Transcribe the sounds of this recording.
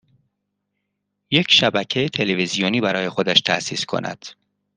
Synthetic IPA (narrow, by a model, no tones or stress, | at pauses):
je̞cʰʃæbæcʰejet̪ʰe̞levizijoniːbæɾɒːjexo̞d̪æʃt̪ʰæ̰ʔsiːskʰo̰nʔæ̰d̪̥